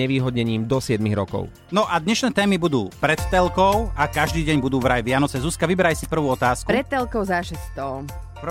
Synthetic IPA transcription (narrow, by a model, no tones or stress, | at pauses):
ɛʋiːɦɔd̪ɲɛɲiːmd̪ɔsɪɛd̪miɣɾɔkɔ̰ʊ | nɔʔad̪ɲɛʃnɛːt̪ɛːmibud̪uːpɾɛt̪t̪ɛlkɔʊakaʒd̪iːɟɛɲbud̪uːʋɾajʋɪanɔt͡sɛzuːskaʋibɛɾajsipr̩ʋuːɔt̪aːskupɾɛt̚t̪ːɛlkɔʊzaʃɛst̪ɔ | p